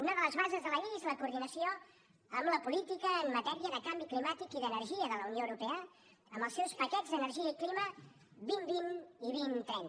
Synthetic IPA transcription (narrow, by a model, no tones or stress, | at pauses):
unəðələzβazəzðələʎeezləkuːɾðinəsio | əmləpulit̪ikəːnmət̪ɛɾiəðəkambiklimat̪ikiðənəɾʒiəðələunjoəwɾupɛə | əmbəlˠsɛwspəkɛd͡zzðənəɾʒiəiklimə | binbiniβint̪ɾɛn